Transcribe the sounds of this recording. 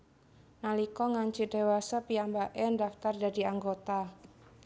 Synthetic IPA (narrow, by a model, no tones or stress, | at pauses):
nalikɔŋaɲt͡ʃidewasapijambaʔɛndaft̪ardadiaŋɡot̪a